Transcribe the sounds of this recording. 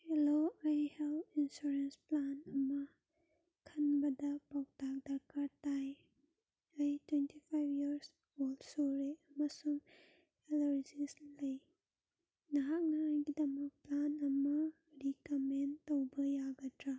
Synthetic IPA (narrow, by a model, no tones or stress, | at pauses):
heloajhelpinsuɾensplanɐmɐ | kʰɐnbɐdɐpawtak̚daɾkaɾtaj | ɐjtwentʰipʰajbʱjiɐɾs | olsoɾeɐmɐsuŋ | eloɾzislɐj | nɐɦak̚naajɡidɐmɐk̚planɐmɐ | ɾikamentowbɐjaɡɐtɾa